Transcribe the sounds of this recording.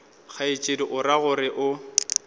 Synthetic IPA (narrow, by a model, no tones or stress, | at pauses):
k͡xʰait͡ʃʼediʔʊraɣʊrɪʔʊ